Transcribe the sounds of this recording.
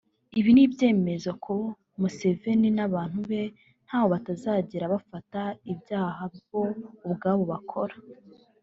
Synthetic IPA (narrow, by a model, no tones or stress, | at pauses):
iβinibje̞ːme̞zo̞kʰo | muse̞ve̞ninaβaːn̥huβe̞ | n̥haːβo̞βatazaːɟeɾaβafataibjaːɦabjo̞ubɡaːβo̞βakʰo̞ɾḁ